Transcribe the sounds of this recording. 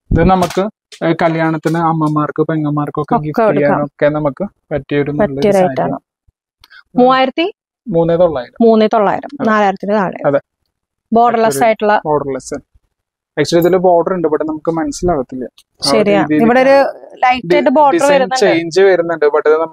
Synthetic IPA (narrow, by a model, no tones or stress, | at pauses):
iðɨnɐmukːɨ | kɐljaːɳɐt̪ːinɨɐmːɐmaːrkɨpeŋːɐmaːrkːokːeokːikːekoɽaːkːa̰ːokːe̞nɐmukːɨ | pɐtːijɐoɾumpɐɭːɐːijoɾɐjiːtːa̰ːɳɐ̰ | muːaːjiɾɐt̪ːi | muːnːɨt̪o̞ɭːaːjiɾɐmuːnːɨt̪o̞ɭːa̰ːjɾɐ̰mɐnaːlaːjiɾɐt̪ːinɖeðaːɽḛɐðe | bo̞ːɖɐrlɐsaːjiʈːuɭːɐboːɖɐrlɐsɨ | ɐkt͡ɕɾit̪ːilɨbo̞ːɖɐreɳɖɨbɐʈːɨnɐmukːɨmɐnɐsilaːɣɐt̪ːilːɐ | ɕɐɾijaːiiʋiɽeoɾulɐjʈːɐɳɖɨbo̞ːɖiɐrʋɐɾunːɐt͡ɕejɲd͡ʑiʋɐɾunːɐɳɖɨbɐʈːɐðɨnɐmɨ